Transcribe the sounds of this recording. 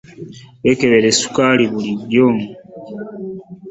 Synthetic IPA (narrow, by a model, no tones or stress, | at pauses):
βekeβeɾesu̥kaːliβuliβjoːŋu